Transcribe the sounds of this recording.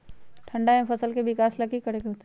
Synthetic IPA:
ʈʰɐ̃ɳɖaɦẽpʰɐsəlkebɪkaːslɐɡikəɾeɡeɦoːt̪e

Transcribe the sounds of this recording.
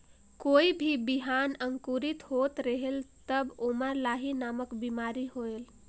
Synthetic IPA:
koibʱibiɦanəŋkuɾit̪ɦot̪ɾəɦelt̪əboməɾlaɦinaməkbimaɾiɦoel

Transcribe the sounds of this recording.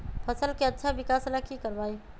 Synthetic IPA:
pʰəsəlkeətːʃʰabɪkaːslakikəɾbaːi

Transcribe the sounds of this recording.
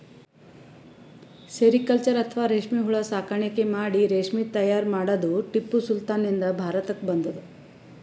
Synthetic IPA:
seɾikɐlt͡ʃɐɾɐt̪ʰɐʋaːɾeːʂmiɦuɭɐsaːkʰaɳɐkemaːɽiɾeːʂmit̪ɐjaːɾmaːɽɐd̪uʈipːusult̪aːnind̪ɐbʱaːɾɐt̪ɐkbɐnd̪ɐd̪u

